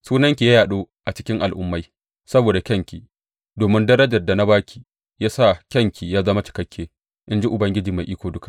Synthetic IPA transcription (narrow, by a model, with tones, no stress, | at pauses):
suː˦nɐ˦ŋkʲi˨ja˦jaː˨ɗoː˦ʔa˨t͡ʃɪ̥˦kʲɪ˦ŋʔa̰˨lʔʊ̰˦mːa˦j | sɐ˦boː˨da˨kʲɐ˦ŋkʲi˨ | doː˨mɪ˦ndɐ˦ɾɐ˦d͡ʒɐ˨rda˨na˦baː˦kʲi̥˨ | jaː˦sa˦˨kʲɐ˦˨ŋkʲi˨jaː˦zɐ˦ma˦t͡ʃɪ̥˨kɐ˦kʲʰːeː˦ | ʔɪ˦nd͡ʒi˦ʔʊ˨bɐ˦ŋɡʲɪ˦d͡ʒiː˨ma˨jʔiː˦kʷoː˨dʊ˦ka˨ʔ